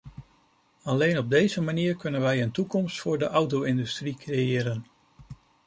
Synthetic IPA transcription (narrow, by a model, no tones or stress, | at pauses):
ɑlejnɔb̚dejzəmaniːɹkɵnənʋɛjəntukɔmstfʊːɹdəʔɑwt̬owɪndystrikrejɪːɾən